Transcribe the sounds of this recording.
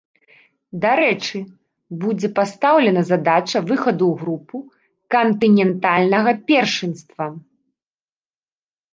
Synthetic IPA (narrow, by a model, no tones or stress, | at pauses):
d̪aɾɛt͡ʂɨ | bud͡zʲɛpast̪awlʲɛnɐzad̪at͡ʂɐvɨxɐd̪uɣɾupu | kɐnt̪ɨnʲɛnt̪alʲnɐɣɐpʲɛrʂɨnst̪vɐ